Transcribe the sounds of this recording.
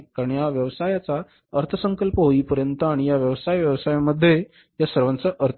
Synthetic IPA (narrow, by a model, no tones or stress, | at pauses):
kaɾəɳjaʋjəʋsajat͡sa | əɾt̪ʰəsəŋkəlpəɦoiːpəɾjənt̪əaɽ̃ijaʋjəʋsajʋjəʋsajaməd̪ʱːje | jasəɾʋant͡səʔəɾt̪ʰ